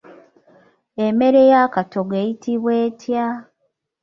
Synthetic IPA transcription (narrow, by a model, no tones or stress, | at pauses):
eme̞ɾe̞jakatoɡeːjitiβwe̞ːtʰja